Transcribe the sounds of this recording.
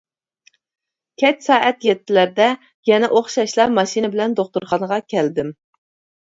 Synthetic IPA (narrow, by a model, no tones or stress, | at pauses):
kʲʰɛt͡ʃsɑːʔɛt̪jɛt̪ʰːɪlæɾd̪ɛ | jɛnɛʔoχʃɑʃlˠɑmɑʃinɪbɪlɛnd̪oχt̪uɾχɑnəʁɑkʲʰɛld̪ɪm